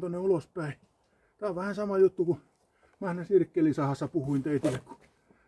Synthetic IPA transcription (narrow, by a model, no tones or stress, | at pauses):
t̪onːeulospæi | t̪æoʋʋæhænsɑmɑjut̪ːuku | mæhnæsirkːelisɑhɑsːɑpuhuint̪eit̪ilːekku̥